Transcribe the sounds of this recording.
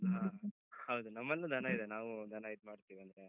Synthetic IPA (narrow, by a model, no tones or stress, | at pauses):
ɦaː | hɐwd̪unɐmːɐlːɐd̪ʱɐnɐid̪enaːʋud̪ʱɐnait̪̚maːɖt̪iːʋiɐnd̪ɾe